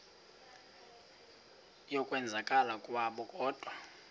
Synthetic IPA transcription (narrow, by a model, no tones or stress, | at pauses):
jɔkʼwɛnd͡zʱakʼalakʼwaɓɔkʼɔːd̥ʱwa